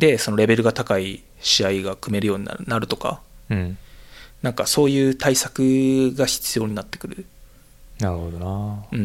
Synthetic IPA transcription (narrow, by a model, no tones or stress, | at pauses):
d̪̥e̞so̞no̞ɾe̞be̞ɾɯ̟ɡat̪akai | ɕiaiɡakɯ̟me̞ɾɯjo̞ːɲ̟ḭna̰naɾɯ̟t̪o̞ka̰ | nãŋkaso̞ːjɯ̟ːt̪ʰaisakɯ̟ɡaçi̥t͡sɨjo̞ːɲ̟inat̪ːe̞̥kɯ̟ɾɯ̟ | naɾɯ̟hod̪oaɯ̟̃ɴ